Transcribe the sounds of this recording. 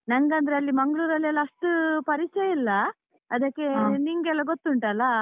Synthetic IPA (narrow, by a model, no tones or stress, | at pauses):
nɐŋɡɐnd̪ɐɾeɐlːimɐŋɡɭuːɾɐlːɛlːɐɐʂʈupɐɾit͡ʃejilːɐ | ɐd̪ɐkːe̞niŋɡɛlːɐɡot̪ːuɳʈɐlːɐ